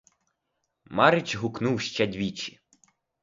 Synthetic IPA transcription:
mɑɾɪt͡ʃʲɦʊknuwʃt͡ʃɛd̪ʲʋʲit͡ʃi̥

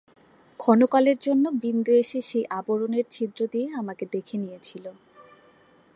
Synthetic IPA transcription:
kʰɔnokaleɾd͡ʑonːobind̪oeʃeʃejʔaboɾoneɾt͡ɕʰid̪ɾod̪ieamaked̪ekʰenijet͡ɕʰilo

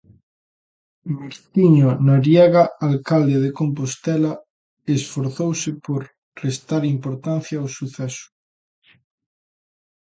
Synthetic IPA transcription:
meɾt̪iɲonaɾjaɣaalkald̪eðekomp̬ost̪ɛla | esfoɾθowsepoɾ | rest̪aɾimpoɾt̪an̟θjaːwsuθɛsu̥

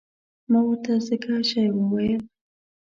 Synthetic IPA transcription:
mawəɾt̪azəkaʃajwəwajəl

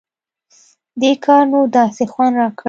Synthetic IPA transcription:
d̪ekʰɑɾnud̪ɑsexwand̪ɾɑk

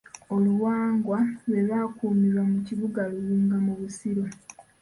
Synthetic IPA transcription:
o̞luwaːŋɡwalwe̞βaːkuːmiβwamuciβuɡaluliːŋɡamuβusiɾo̞

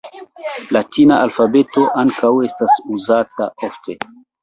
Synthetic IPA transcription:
latinaʔalfabe̞to̞ʔaŋkawe̞stasuzataofte̞

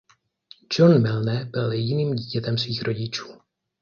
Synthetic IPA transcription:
d͡ʒonmɪlnɛbɪljɛɟɪniːmɟiːcɛt̪ɛmsviːxɾo̞ɟɪt͡ʃu̥ː

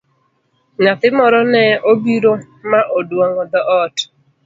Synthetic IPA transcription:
ŋat̪ɪmɔɾɔnɛobiɾo | maʔodwoŋɔd̪ɔʔɔt

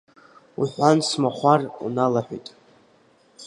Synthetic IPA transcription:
uħʷansmaχʷarṵnalaħʷᶣḭtʼ

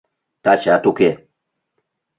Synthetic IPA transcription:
t̪at͡ʃat̪uke

